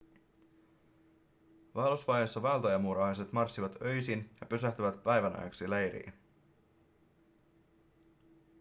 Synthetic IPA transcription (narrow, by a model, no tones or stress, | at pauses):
ʋɑːlusʋɑjesːɑʋɑlt̪ɑjɑmuːɾɑhɑse̞t̪mɑrsːiʋɑt̪øjsinjɑpysæht̪yʋæt̪pæjʋænæ̰jksilejɾḭː